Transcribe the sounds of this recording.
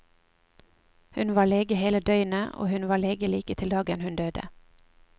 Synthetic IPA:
hʉnʋɑːɭeːɡəheːləd̪œʏnəʔo̰ːhʉnʋɑːɭeːɡəliːkət̪ʰɪld̪ɑːɡənhʉnd̪øːd̪ə̰

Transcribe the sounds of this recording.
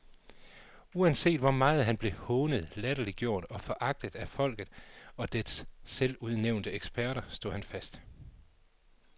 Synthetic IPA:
uænse̝̰ːd̥ʋɒmɑ̈ːð̞̩ˠɦænb̥le̝hɔːnəð̞̩ˠlæɾ̥ɐliɡ̥jo̝ɐ̰d̥ɒ̽fɒ̽ʔɑ̈ɡ̥̚d̥əð̩ˠæfɒ̽l̰ɡ̥ð̩ˠɒ̽d̥esːeluð̞ˠneʊ̰nd̥əeɡ̥sb̥æɐɾɐsd̥o̝ð̰ˠhænfæsd̥

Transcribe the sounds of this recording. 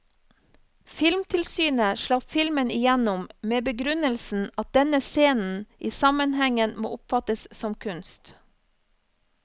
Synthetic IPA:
fɪlmt̪ʰɪlsyːnəʃɭɑffɪlmənɪjænʊmmeːbəɡɾʉnəlsn̩ɑt̪̚d̪ɛnəseːnn̩ʔiːsɑmənhɛŋənmo̰ːʔʊpfɑt̪əssɔmkʰʉnst̪

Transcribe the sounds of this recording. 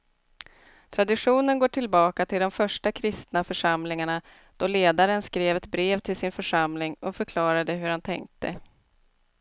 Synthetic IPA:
t̪ʰɾad̪ɪɧuːnənɡoːʈʰɪlbɑːkat̪ʰɪld̪ɔmfœʂʈakʰɾɪst̪nafœʂamlɪŋaɳa | d̪̥ɔleːd̪aɾənskɾeːvɛt̪bɾeːvt̪ʰɪlsɪnfœʂamlɪŋɔfœɾkʰlɑːɾad̪əɦɵɾhant̪ʰɛ̰ŋk̚t̪ə

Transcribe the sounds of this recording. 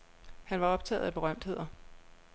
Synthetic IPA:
hænʋɑ̈ɒ̽b̥̚t͡sʰɛ̰ːð̩ˠæb̥e̝ʁɶm̰d̥he̝ð̞̰ˠɐ

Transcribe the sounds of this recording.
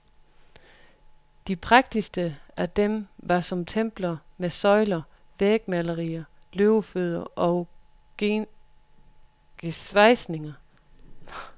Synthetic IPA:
d̥ipʰʁɑ̈ɡ̥̚d̥isd̥əæd̥emʋɑ̈sɒ̽mt͡sʰem̰b̥lɐmesɒ̽ɪlɐ | ʋeɡ̥̚mælɐʁḭːɐ | løʊføð̰ˠɐʔɒ̽ | ɡ̥esʋɑ̈ɪsne̝ŋɐ

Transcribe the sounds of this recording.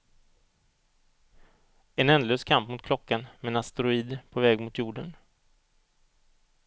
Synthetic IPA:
ɛnɛnd̪əløːskʰampmʊt̪kʰlɔkːanmɛnast̪ɾʊiːd̪pʰɔvɛːɡmʊt̪ʰjuːɖən

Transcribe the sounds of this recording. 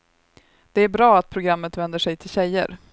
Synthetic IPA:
d̪̥ɛæɾbɾɑːat̪̚pʰɾʊɡɾamːət̪vɛnd̪əʂɛjt̪ʰɪlɕɛjːə̰ɾ

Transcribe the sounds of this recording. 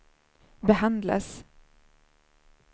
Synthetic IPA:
bɛɦand̪la̰s

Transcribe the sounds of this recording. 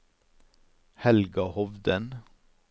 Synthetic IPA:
hɛlɡɑhɔʋd̪ən

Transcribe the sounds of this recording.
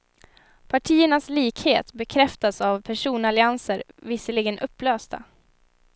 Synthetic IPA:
pʰaʈʰiːəɳasliːkheːt̪bɛkʰɾɛft̪asavpʰæʂuːnalɪansəɾ | vɪsəlɪɡənʔɵpːløːst̪a̰

